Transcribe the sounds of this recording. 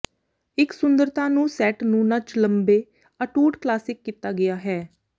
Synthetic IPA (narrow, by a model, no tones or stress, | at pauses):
ɪksʊnd̪əɾt̪ãːnũːsɛːʈnũːnət͡ʃləmbeː | əʈuːʈklaːsɪkːiːt̪aːɡɪaːɦɛː